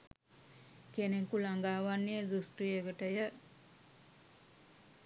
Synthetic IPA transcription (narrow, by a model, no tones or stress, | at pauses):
kenekulaŋɡaːʋanːijədusʈijekəʈəjə